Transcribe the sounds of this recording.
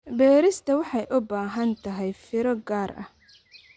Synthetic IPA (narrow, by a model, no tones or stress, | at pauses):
bɛːɾɪst̪ʰɐwɑħɑjʔʊbaːɦɐnt̪ʰɐɦɛjfɪɾɔɡaːɾʔɐ̰h